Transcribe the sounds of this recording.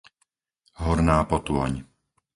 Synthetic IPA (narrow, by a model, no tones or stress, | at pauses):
ɦɔɾnaːpɔt̪ʊɔ̰ɲ